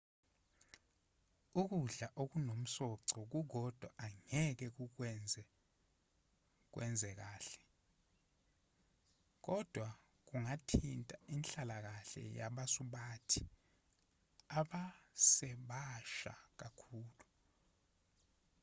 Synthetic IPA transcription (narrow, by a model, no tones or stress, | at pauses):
uk̬uɮaʔok̬unom̩sɔǀɔk̬uɡʱɔd̥ʱwaʔaŋɛk̬ɛk̬uk̬wɛnd͡zʱɛ | k̬wʔɛ̰nd͡zʱɛk̬aːɬɛ̥ | k̬ɔd̥ʱwa | k̬uŋatʰintʼainɬalak̬aɬɛ̰jaɓasuɓaːtʰi | aɓasɛɓaʃa̰k̬akʰuːlu